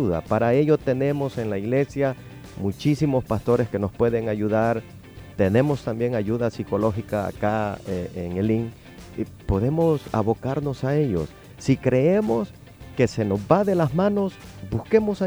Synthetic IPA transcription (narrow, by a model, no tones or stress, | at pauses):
uða̰paɾae̞ʎo̞t̪e̞ne̞mo̞se̞nlaiɣle̞sja | mut͡ʃisimo̞spast̪o̞ɾe̞ske̞no̞spwe̞ðe̞ŋaʝuðaɾ | t̪e̞ne̞mo̞st̪ambje̞ŋaʝuðasiko̞lo̞xika̰ːkaeeŋeliŋ | po̞ðe̞mo̞sa̰βo̞kaɾno̞sae̞ʎo̞̰sː | ikɾe̞emo̞s | ke̞se̞no̞zbaðe̞lazmano̞sbuske̞mo̞sa